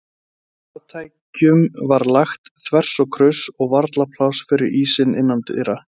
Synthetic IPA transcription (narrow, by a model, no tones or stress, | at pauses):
at̪ʰaːjcʏmvaɾlaxt̪θvɛr̥sɔɣkʰɾʏsɔɣvaɾt̪lapʰlawsfɪɾɪɾiːsɪnɪ̰nːant̪ɪ̰ɾa